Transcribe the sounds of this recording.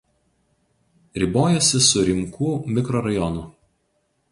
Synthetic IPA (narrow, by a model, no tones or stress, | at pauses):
ɾʲɪˑboːjɛsʲɪsʊɾʲɪmkʰuːmʲɪkɾɔɾɐjɔnʊ